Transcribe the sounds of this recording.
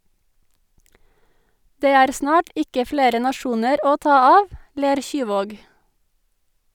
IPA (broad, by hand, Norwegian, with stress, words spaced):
ˈdeː ˈæːɾ ˈsnɑːʈ ˈɪkə ˈfleːɾə nɑˈʃuːnəɾ ˈoː ˈtɑː ˈɑːʋ ˈleːɾ ˈçyːˌʋoːɡ